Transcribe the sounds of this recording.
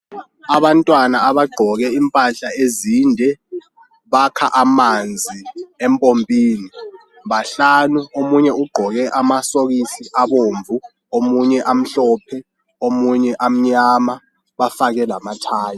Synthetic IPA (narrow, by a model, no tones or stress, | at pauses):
aβantʼwanaːβaɡ͡ǃʱɔɣɛimpʼaɬaeziːndʱɛ | βakʰaʔamand͡zʱiɛmpʼompʼiːni | βaɬanuomuɲɛuɡ͡ǃʱɔɣɛʔamasoɣisiʔaβoːɱvʱu | omuɲɛʔam̩ɬɔːpʰɛ | omuɲɛʔam̩ɲama | βafaɣɛlamatʰaːjɔ